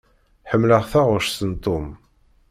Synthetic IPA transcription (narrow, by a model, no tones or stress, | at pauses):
ħəmːləʁθæʁʊʃsənt̪ˤːom